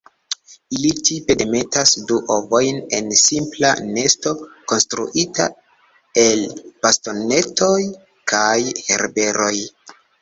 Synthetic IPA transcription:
ilit͡ʃipe̞deme̞tasduʔovo̞jne̞nsimpla̰ne̞sto̞ko̞nstɾṵʔita̰ | e̞lb̥asto̞ne̞toj | kʰajhe̞̰ɾbe̞ɾo̞j

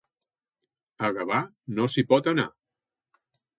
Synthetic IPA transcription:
əɣəβa | nosipɔt̪əna̰

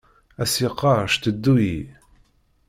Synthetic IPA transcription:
æsiqːɑɾʃt̪əd̪ːuji

